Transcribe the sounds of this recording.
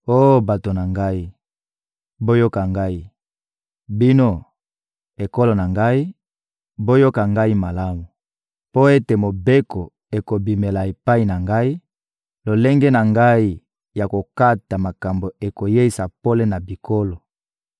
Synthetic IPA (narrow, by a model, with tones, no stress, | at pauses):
o˦˨ba˨to˨na˨ŋɡa˦i˦ | bo˦jo˦ka˨ŋɡa˦i˦ | bi˦no˦ | e˨ko˦lo˨na˨ŋɡa˦i˦ | bo˦jo˦ka˨ŋɡa˦i˦ma˨la˦mu˨ | po˦e˦te˨mo˨be˦ko˨ | e˨ko˨bi˨me˨la˨e˨pa˦i˨na˨ŋɡa˦i˦ | lo˨le˦ŋɡe˦na˨ŋɡa˦i˦ | ja˨ko˨ka˦ta˨ma˨ka˨mbo˨e˨ko˨je˦i˨sa˨po˦le˦na˨bi˨kʰo˦lo˨